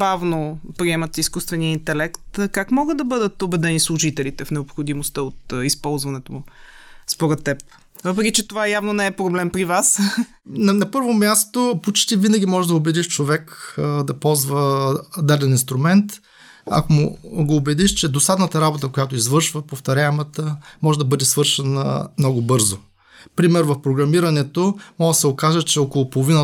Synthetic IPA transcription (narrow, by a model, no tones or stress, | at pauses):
pɾavnopɾiɛmət̪iskust̪vɛniəint̪ɛlɛkt̪kakmɔɡəd̪d̪ɐbɤd̪ət̪obɛd̪ɛnislˠʊʒit̪ɛlit̪ɛfnɛopxod̪imost̪əot̪ispɔlˠzvɐnɛt̪omʊspoɾɛt̪ːɛp̚ | vɤpɾɛkʲit͡ʃɛt̪ovajavnonɛɛpɾoblɛmpɾivas | nɐnɐpɤɾvomʲjast̪opot͡ʃt̪ivinɐɡʲimɔʒɛʒd̪ɐobɛd̪iʃt͡ʃovɛkd̪ɐpɔlˠzvəd̪ad̪ɛninst̪ɾʊmɛnt̪ | ɐ̰komʊɡoːbɛd̪iʃt͡ʃɛd̪osad̪nət̪əɾabot̪əkojat̪oizvɤɾʃvəpoft̪ɐɾʲamət̪əmɔʒɛd̪ɐbɤd̪ɛsvɤɾʃɛnə̰mnɔɡʊbɤɾzo | pɾimɛɾvɐfpɾoɡɾɐmiɾɐnɛt̪omɔɡd̪sɛokaʒət͡ʃɛɔkolˠopolˠovinə